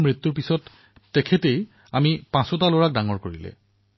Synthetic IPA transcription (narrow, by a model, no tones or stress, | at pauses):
mɹit̪ːuɹpisɔtː | ɛkʰɛtej | amipãsɔtaloɹak̚daŋɔɹkoɹilɛ̰